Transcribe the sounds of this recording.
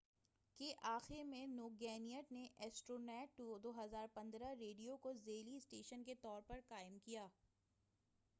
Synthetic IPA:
keʔaːxɪɾmẽnoːɡɛːnijəʈneʔɛːsʈɾoːnɛːʈːud̪oːɦɐzaːɾpɐ̃nd̪ɾaɾeːɖijokozeːlisʈeːʃənket̪ɔːɾpɐɾkaːɪmkijaː

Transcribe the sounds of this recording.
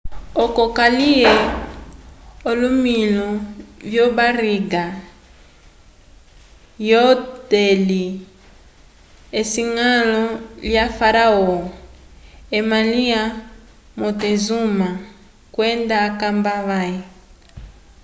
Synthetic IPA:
ɔkɔkaliɛ | ɔlumiluvjɔβaɾiɡa | jɔtɛli | esiŋalɔljafaɾaɔ | emalia | mɔtɛzuma | kwɛndaːkambaβai

